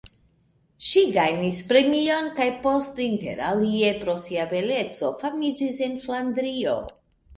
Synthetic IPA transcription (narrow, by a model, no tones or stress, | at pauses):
ʃiɡajnispɾe̞mio̞nkajpo̞stinte̞̰ɾalie̞pɾo̞siave̞le̞t͡so̞famid͡ʒise̞nflandɾio̞̰